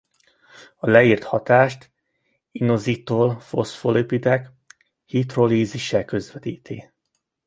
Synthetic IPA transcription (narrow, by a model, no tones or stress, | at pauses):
ɒlɛiːrt̪hɒt̪aːʃt̪ | inozit̪oːlfosfolipid̪ɛk | hit̪roliːziʃɛkø̞zʋɛt̪iːt̪ʰiː